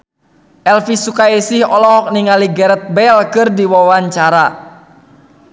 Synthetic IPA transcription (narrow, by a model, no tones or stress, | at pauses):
ʔɛlfisukaisihɔlɔɦɔk̚niŋaliɡɛɾɛt̪̚bɛlkɨrdiwawaɲt͡ʃaɾa